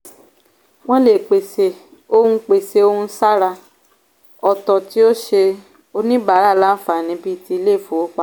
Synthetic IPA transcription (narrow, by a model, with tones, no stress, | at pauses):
w̃ɔ̃˦le˨k͡pe˨se˨ | o˦hũ˧k͡pe˨se˨o˦hũ˧˦sa˦ɾa˧ | ɔ˨tɔ˨ti˦o˦ʃe˧ | o˧nĩ˦ba˨˦ɾa˦˨la˦n̩˦fa˨nĩ˨˦bi˦ti˦i˧le˦˨fo˨o˦k͡pa˦˨